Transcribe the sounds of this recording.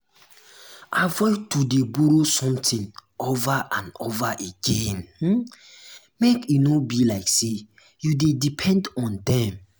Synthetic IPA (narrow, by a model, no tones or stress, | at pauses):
avɔtudebuɹosɔ̃mtĩnovaʔãnovaʔeɡ̥ẽnh̩ | mekinobilaɪkse | judedipʰɛ̃ndɔ̃ndɛ̃m